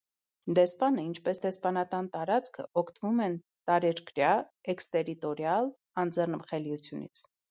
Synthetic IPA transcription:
d̪ɛspɑnəint͡ʃʰpɛsd̪ɛspɑnɑt̪ɑnt̪ɑɾɑt͡skʰə̰ɔkʰt̪vumɛn | t̪ɑɾɛɾkɾjɑɛkst̪ɛɾit̪ɔɾjɑl | ɑnd͡zɛrnəpχɛliut͡sʰjunḭt͡sʰ

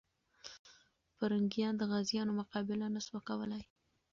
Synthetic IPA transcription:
faɾaŋɡijɑnd̪əɣazjɑnomʊqɑbɪlanaswakawəlaj

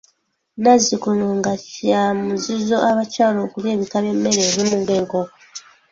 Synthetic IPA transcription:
nazikunoŋɡaciamuzizo̞ʔaβacaːlo̞ːkulje̞ːβikaβje̞mːe̞ɾeːβimuɡeːŋɡo

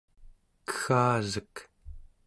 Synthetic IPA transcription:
kə̥xaːzək

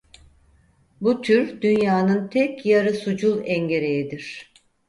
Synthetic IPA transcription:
but̪ʰyɾd̪̥ynjaːnɯnt̪ʰɛcjaɾɯsud͡ʒulˠɛɲɟe̞ɾejid̪iɾ̥

